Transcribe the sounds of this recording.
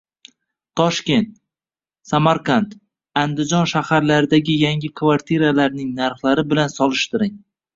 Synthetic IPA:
t̪ʰːɒʃkʲe̞nt̪̚ | samaɾkant̪ | and̪ɪd͡ʒɒnʃahaɾlaɾɪd̪aɡʲɪjaŋʲɪkʰvaɾt̪ʰiɾalaɾnɪŋnaɾχlaɾɪbɪlansɒlˠɪʃt̪ɪɾɪŋ

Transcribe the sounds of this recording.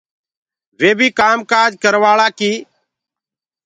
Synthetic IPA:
ʋeːbʱiːkaːmkaːd͡ʒʱkəɾʋaːɭaːkiː

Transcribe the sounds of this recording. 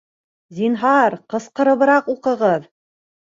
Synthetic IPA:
zinɦɑɾqɤ̆sqɤ̆ɾɤ̆βɤ̆ɾɑquqɤ̆ʁɤð

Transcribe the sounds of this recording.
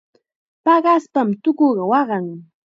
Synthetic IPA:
pɑɢɑspamt̪ʊkoɢɑwɑɢɑŋ

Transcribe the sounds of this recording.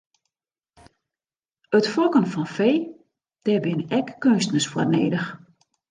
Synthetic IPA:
ətfɔkənfɔnfeː | d̥ɛbɪnɛkːønstnəsfwɔrneːdəx

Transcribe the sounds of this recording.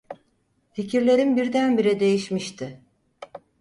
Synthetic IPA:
ficʰiɾlʲe̞ɾinbiɾd̪ænbiɾɛd̪e̞jiʃmiʃt̪ʰɪ

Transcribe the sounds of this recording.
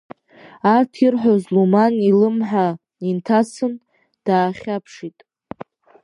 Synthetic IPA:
artʰirħʷozlumanilɨmħa | intʰasɨn | d̥aːχʲapʰʂitʼ

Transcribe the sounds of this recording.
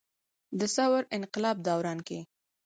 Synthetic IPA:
d̪əsawɾɪnqɪlɑb̚d̪awɾɑnke

